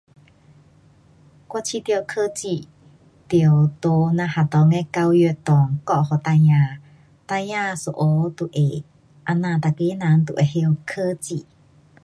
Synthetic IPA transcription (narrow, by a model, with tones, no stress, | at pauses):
kwa˧t͡ʃʰi˧t̪i˧o˧kʰə˦t͡si˧˨ | t̪i˧o˨t̪o˧nã˧ha˨t̪ɔ˧ŋɛ˧ka˧wjø˧t̪ɔ˨ŋkɔ˦˨ʔhɔ˨t̪a˧jã˨ | t̪a˧ja˦˧so˧ʔo˧t̪u˧ʔe˨ | ʔa˧nã˧˨t̪a˨ke˧˦nã˧nt̪u˨ʔe˨he˧o˧kʰə˦t͡ʃi˧˨